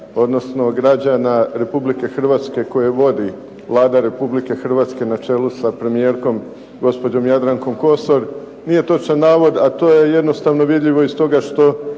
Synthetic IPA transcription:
o̞d̪no̞sno̞ɡɾad͡ʑanaɾe̞publike̞xr̩ʋaːt̪ske̞ko̞jeʋo̞d̪i | lˠaːd̪aɾe̞publike̞xr̩ʋaːt̪ske̞nat͡ʃe̞lusapɾe̞mije̞ɾko̞m | ɡo̞spo̞d͡ʑo̞mjad̪ɾaŋko̞mko̞so̞ɾ | nije̞t̪o̞t͡ʃanːaːʋo̞d̪at̪o̞ːje̞je̞d̪no̞st̪aʋno̞ʋid̪ʎiʋo̞ist̪o̞ɡaʃt̪o̞

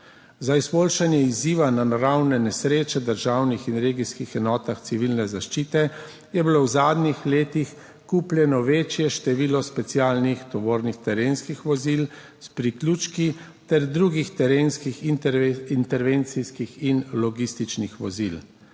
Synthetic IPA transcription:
zaizboːlʃanjɛiziːʋananaɾawnɛnɛsɾeːt͡ʃɛd̪əɾʒaːwnixinɾeːɡiskixɛnɔːt̪axt̪siʋilnɛzaʃt͡ʃiːt̪ɛ | jɛbilowzaːd̪nixleːt̪ix | kuːplʲjɛnɔʋeːt͡ʃjɛʃt̪ɛʋiːlɔspɛt̪sijaːlnixt̪ɔʋoːɾnixt̪ɛɾeːnskixʋɔzil | spɾiklʲuːt͡ʃki | t̪ɛɾd̪ɾuːɡixt̪ɛɾeːnskix | int̪ɛɾʋeːnt̪siskixinlɔɡist̪it͡ʃnixʋɔzil

